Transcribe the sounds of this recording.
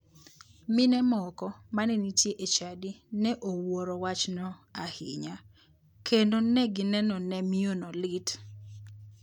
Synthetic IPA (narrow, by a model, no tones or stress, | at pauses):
mɪnɛmɔkɔmanɛnitjeʔet͡ʃadinɛʔowoɾowat͡ʃnɔahɪ̰ɲa | kʰendonɛɡɪnɛnɔnɛmionɔlɪt